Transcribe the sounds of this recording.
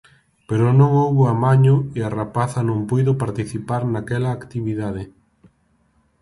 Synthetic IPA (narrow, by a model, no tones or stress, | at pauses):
peɾonõŋowβoamaɲoiarapaθɐnõmpujðʊpaɾt̪iθipaɾnakɛlaːkt̪iβiðað̞e